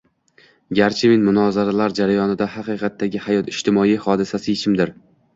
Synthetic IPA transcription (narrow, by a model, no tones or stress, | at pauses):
ɡʲaɾt͡ʃʰɪmɪnmʊnɒzaɾalaɾd͡ʒaɾajɒnɪd̪ahɑqɨqɑt̪ʰːaɡʲɪhajɒt̪ɪʃt̪ʰɪmɒihɒd̪ɪsasɪɪt͡ʃʰɪmd̪ɪɾ